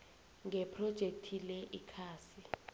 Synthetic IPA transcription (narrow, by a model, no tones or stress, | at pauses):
ŋɛpʰrɔd̥ʒ̥ʱek̚tʰilɛʔikʰaːsi